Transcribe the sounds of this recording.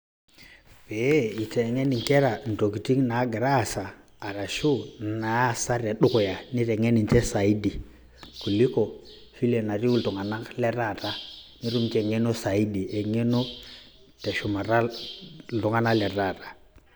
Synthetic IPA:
pe˨˦i˨te˨ŋe˦ni˨ŋke˦ɾa˨n̩˨to˨ki˨ti˦ŋna˨˦ɡa˨ɾa˦˨saː˨ | ɾa˨ʃu˦na˨˦˨sa˦ɾe˨ɗu˦ko˨ja˨ni˦te˨ŋe˦ni˨nt͡ʃe˦sa˨i˦di˨ | ku˨li˦ko˨ | fi˦le˨na˨ɾi˦u˨ltu˨ŋa˨na˦kle˦ɾa˦˨ta˦ni˦ɾu˦mt͡ʃe˦˨ŋe˦no˦sa˨i˦di˨e˨ŋe˦no˦ | te˨ʃu˨ma˨ɾa˦ | ltu˨ŋa˦na˦le˨ta˦˨tḁ˦

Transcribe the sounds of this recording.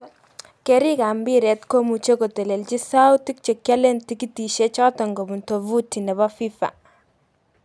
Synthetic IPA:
kɛ˨ɾi˦ka˨mbi˦ɾɛ˨tko˦mu˨t͡ʃe˦ko˨tɛ˨le˨lt͡ʃi˦sa˦wti˦k̚t͡ʃɛ˨kja˦le˦nti˦ki˦ti˨ʃe˦t͡ʃa˦tɔ˨ŋɡo˨bu˨nto˨vu˦ti˨nɛ˨βa˦fi˦fa̰˨

